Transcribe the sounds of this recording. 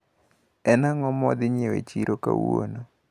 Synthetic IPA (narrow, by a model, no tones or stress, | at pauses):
ɛnaŋɔmɔd̪ɪɲewet͡ʃiɾʔokawono